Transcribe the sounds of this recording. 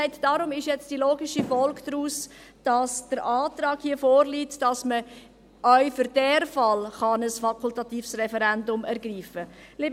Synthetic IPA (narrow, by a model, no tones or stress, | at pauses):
ɪtd̥ɑɾʊmɪʃjɛt͡sd̥iloːɡɪʃifɔlɡd̥ɾuːsd̥ɑsd̥əɾɑːtɾɑːɡ̥hiːəfoːɾliːtd̥ɑsmə | ʔœʏfʏɾd̥ɛɾfɑlχɑnəsfɑkʰultɑt̪iːfsrɛfɛɾɛndʊmɛɾɡɾiːfəliːb